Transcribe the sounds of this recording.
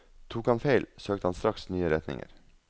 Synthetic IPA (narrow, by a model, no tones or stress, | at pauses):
t̪ʰuːkɑnfeɪlsøːk̚t̪əhɑnst̪ɾɑksnyːəɾɛt̪nɪ̰ŋə̰ɾ